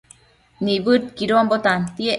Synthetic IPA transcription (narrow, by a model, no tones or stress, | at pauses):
niβɨt̪̚kiɾoambot̪ant̪ie